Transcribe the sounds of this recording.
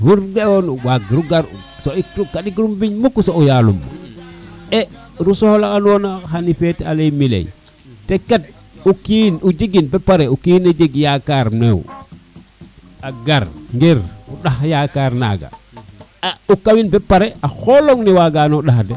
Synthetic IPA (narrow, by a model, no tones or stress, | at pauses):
wuɾdeonuwaɡɾuɡaɾṵ | soitukaɗikɾumbiɲmukːusoujalṵmːṵ | ɛ | ɾusohlakanonaxanifeta̰lemilḛj | tekat̚ | ukinud͡ʒiɡinbepaɾeukiːnad͡ʒeɡjakaɾmḛw̰ | aɡaɾŋɡeɾuɗaxjakaɾna̰ɡa̰ | aukawinbɛpːaɾeʔaxoloŋniwaɡanouɗaxde